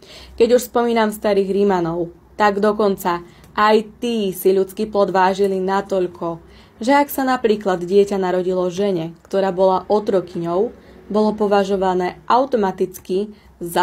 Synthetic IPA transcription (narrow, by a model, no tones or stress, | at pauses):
kɛɟuʃspɔmiːnamst̪aɾiːɣɾimanɔʊ | t̪aɡd̪ɔkɔnt͡sa | ʔajt̪iːsiʎut͡skiːplɔd̪ʋaːʒilinat̪ɔʎkʰɔ | ʒɛaksanapɾiːklad̪ɟɪɛcanaɾɔɟilɔʒɛɲɛkt̪ɔɾaːbɔlaʔɔt̪ɾɔkiɲɔʊ | bɔlɔpɔʋaʒɔʋanɛːʔaʊt̪ɔmat̪it͡ski | za